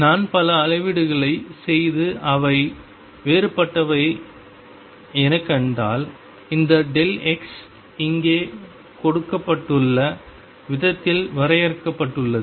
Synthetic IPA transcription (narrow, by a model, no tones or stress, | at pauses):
naːnpɐlɐːɻɐɪʋɪɽɯɣɐɭɐɪsɛjðɯʔɐʋɐɪ | ʋeːɾɯpːɐʈːɐʋɐɪ | ɛnɐkːɛɳɖaːl | ɪnd̪ɐɖɛlɛks | ɪŋɡeː | kɔɽɯkːɐpːɐʈːɯɭːɐ | ʋɪðɐt̪ːɪlʋɐɾɐjɐɾkːɐpːɐʈːɯɭːɐðɯ